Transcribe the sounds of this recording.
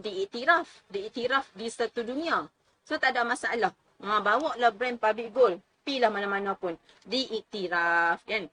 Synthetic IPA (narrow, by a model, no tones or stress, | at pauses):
diiʔt̪iɾafdiːʔt̪iɾafdisat̪udunĩa | sot̪adaʔmasaalah | ŋãbawɔʔlahbɾɛnpabiʔɡol | pilahmanamanapʊn | diʔiʔt̪iɾafjan